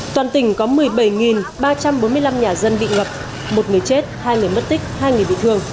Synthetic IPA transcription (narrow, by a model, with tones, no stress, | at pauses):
t̪waː˨˩nt̪ï˨˩ŋ̟kɔ˨˦mɨ˨˩əjɓə˧˩jŋi˨˩nɓaː˧t͡ɕa˧mɓo˨˦nmɨ˧əjla˧mɲaː˨˩zə˧nɓḭ˧˨ŋə˨˩p̚ | mo˨˩t̚ŋɨ˨˩əjt͡ɕe˦˥t̚haː˧jŋɨ˨˩əjmə˦˥t̚t̪ï˦˥k̟̚haː˧jŋ˨˩əjɓḭ˧˨t̪ʰɨ˧əŋ